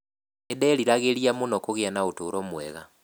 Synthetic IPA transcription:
edɛliɾaɣeliamonɔkoɣeanaotoːɾɔmwɛ̰ɣa

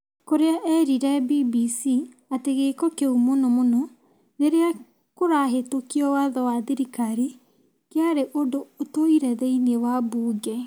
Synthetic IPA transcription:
koɾeaʔɛɾiɾɛbibisi | ateɣekɔkeumonɔmonɔ | neɾea | koɾaɦetokiɔwaðɔwaðiɾikaɾi | keaɾeʔodoːtoiɾɛðɛiniewabuːɡɛ

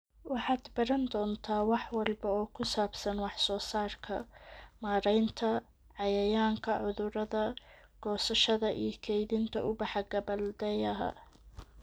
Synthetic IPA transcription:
wɑħɑːd̪bɐɾɐnd̪ɔːnt̪ʰaːwɑħwɑlbɐɔːkʰʊsaːbsɐnwɑħsɔːsaːrkʰɐ̰maːɾɛjnt̪ʰɐ | ʕɑjɐjaːŋkʰɐʕʊðʊɾɐðɐ | ɡ̥ɔːsɐʃɐðɐʔḭjɞkʰɛjðɪnt̪ʰɐ̰ʔʊbɑħɑɡɐbɐld̪ɛjɐɦɐ̰

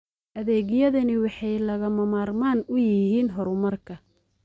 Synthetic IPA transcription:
ʔɐðɛːɣjɐðɐnɪwɑħɑjlɐɣɐmɐmaːrmaːnʊjɪɦiːnɦɔɾʊmɐrkʰɐ

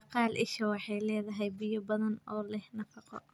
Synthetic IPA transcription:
qɑːlʔɪ̰ʃɐwɑħɑjlɛːðɐɦɛjbɪjɔbɐðɐnɔːlɛhnɐfɑqɔ̰

